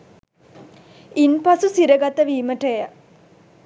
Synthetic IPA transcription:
inpasusiɾəɡat̪əʋiːməʈəja

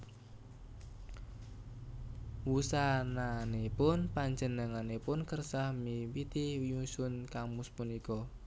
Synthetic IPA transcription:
wusananepʊnpaɲd͡ʒənəŋanepʊnkərsahmiwit̪iwiɲusʊnkamuspunikɔ

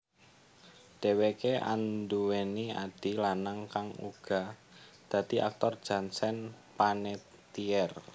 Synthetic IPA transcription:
ɖ̪̥e̤wekeʔa̰nd̪uwenia̰d̥i̤lanaŋkaŋṵɡ̥a̤d̪̥ä̤d̪̥iʔa̰k̚t̪ɔrd̥d͡ʒ̥a̤nsɛn | pane | t̪iɛr

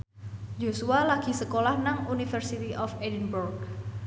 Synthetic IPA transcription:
d͡ʒosualaɡ̥i̤səkolahnaŋunifərsit̪iʔɔfedinburɡ̚

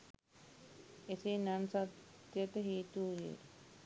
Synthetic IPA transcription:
esenansat̪ːjət̪əɦiːt̪uːjḛ

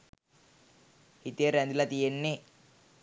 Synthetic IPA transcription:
hit̪ijeɾɛnd̪ilɐt̪ijenːe

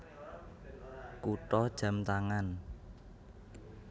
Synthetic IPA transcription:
kuʈɔd̥ʒ̥a̤mt̪aŋan

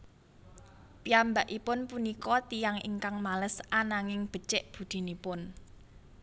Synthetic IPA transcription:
piambaʔipʊnpunikɔt̪ijaŋḭŋkaŋmaləsanaŋɪŋb̥ə̤t͡ʃɪʔb̥ṳd̪̥i̤nipʊn

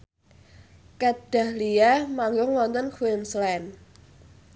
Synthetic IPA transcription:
kaɖ̥a̤hliamaŋɡʊŋlɔnt̪ɔnkʰuinslɛn

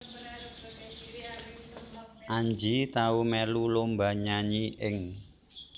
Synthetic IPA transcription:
ʔaɲd͡ʒit̪aumɛlulombaɲaɲiʔɪŋ

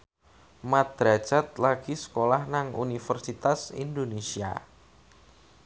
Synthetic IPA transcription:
mat̪̚ɾḁd͡ʒ̥at̪̚laɡ̥isə̥kolahnaŋṵnifərsit̪asḭnd̪onesia̰

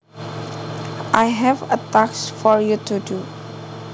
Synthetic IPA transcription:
ʔajɦɛvətaksfɔɹjutudu

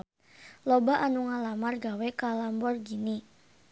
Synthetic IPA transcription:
lɔbaʔanuŋalamarɡawekalambɔrɡini

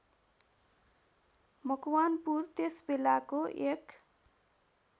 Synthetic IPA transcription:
mʌkwanpurt̪esbelakoʔek

